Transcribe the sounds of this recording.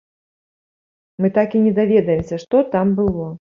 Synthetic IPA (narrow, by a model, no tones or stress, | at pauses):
mɨt̪akinʲɛd̪avʲɛd̪ɐjɛmsʲɐʂt̪ɔt̪ambɨlˠɔ